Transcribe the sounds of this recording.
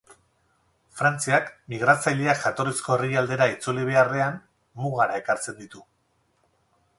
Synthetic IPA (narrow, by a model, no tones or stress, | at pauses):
fɾant͡siakmiɣ̞ɾat͡sajleaʝat̪o̞ɾisko̞eriald̪e̞ɾait͡suliβ̞e̞are̞anː | uɣaɾae̞kaɾt͡se̞nd̪it̪u